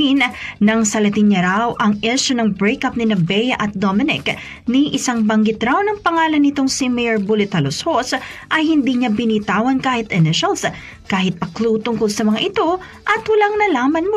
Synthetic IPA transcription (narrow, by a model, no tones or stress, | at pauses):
innɐŋsɐlɐt̪ɪnɲɐɾawʔɐŋʔɛʃonɐŋbɾejkɐp̚nɪnɐbɛjɐʔɐt̪̚d̪omɪnɪ̰k | niʔɪsaŋbɐŋɡɪt̪ɾawnɐŋpɐŋaːlɐnːɪt̪o̞ŋsimɛjɛɹbulɪt̪hɐloshosʔɐjhɪnd̪iːɲabɪnit̪aːwɐnkaːhɪt̪ʔɛnɪʃɐls | kaːɦɪt̪̚pɐkluːt̪ʊŋkolsɐmɐŋaʔɪt̪o̞ | ʔɐt̪wɐlaŋnɐlaːmɐnm